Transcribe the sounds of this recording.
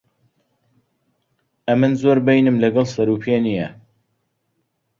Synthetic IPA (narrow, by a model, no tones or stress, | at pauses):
ɐmɨnzoɾbejnɨmlɐɡɑlˠsɐɾuːpʰenijɛ